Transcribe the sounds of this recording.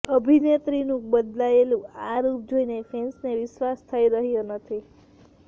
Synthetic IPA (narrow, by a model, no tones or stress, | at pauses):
əbʱinet̪ɾinũbəd̪laelũaɾup̚d͡ʒoinefʰensneʋɪʃʋast̪ʰəiɾəɦjonət̪ʰi